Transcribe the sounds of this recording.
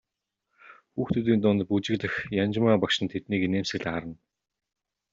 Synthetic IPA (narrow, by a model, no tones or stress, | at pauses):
xuːxt̪ʰɵt̪̬iːnt̪ʊnt̪put͡ɕɪ̆ɣɮɘ̆xjant͡ɕmaːpakʃɪ̆nt̪ʰet̪niːkeneːmsɘ̆ɣɮaɾə̆n